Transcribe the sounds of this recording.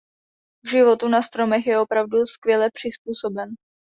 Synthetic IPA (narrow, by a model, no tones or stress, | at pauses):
ɡʒɪvo̞t̪unast̪ɾo̞mɛxjɛo̞pɾavduskvjɛlɛpr̝̥ɪspuːso̞bɛn